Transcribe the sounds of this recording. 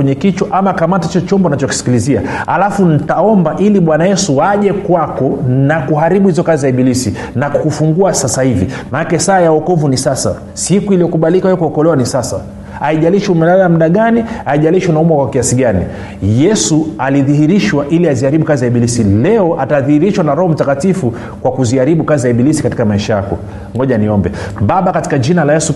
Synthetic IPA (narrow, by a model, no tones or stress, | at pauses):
ɛɲɛkit͡ʃwaʔamakamatait͡ʃɔt͡ʃɔmbɔnat͡ʃɔki̥si̥kilizia̰a̰lafun̩taɔmbaʔiliɓwanajɛsuwaʄɛkwakɔnakuɦaɾiɓuhizɔkazizaiɓilisi | nakukufuŋɡuasasahivḭmanakɛsaːjaɔkɔvunisasa̰ | sikuilijɔkuɓalikawɛɛkuɔkɔlɛwanisasa̰ | aiʄaliʃuumɛlalam̩ɗaɠaniaiʄaliʃunaumwakwakiasiɡanḭ | jɛsualiðihiɾiʃwaʔiliaziaɾiɓukaziaiɓilisilɛɔʔataðihiɾiʃwanaɾɔhɔm̩takatifu | kwakuziaɾiɓukaziaiɓilisikati̥kamaiʃaja̰kɔ̰ | ŋɔʄaniɔmbɛ̰ɓaɓakati̥kad͡ʒinalajɛsu